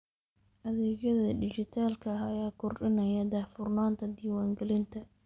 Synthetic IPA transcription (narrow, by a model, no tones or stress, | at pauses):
ʔɐðɛːɣɐðɐdɪt͡ʃɪt̪ʰaːlkʰɐɐjaːkʰʊrɖɪnɐjɐd̪aːfʊrnaːnt̪ʰɐd̪iːwaːŋɡɛlɪnt̪ʰɐ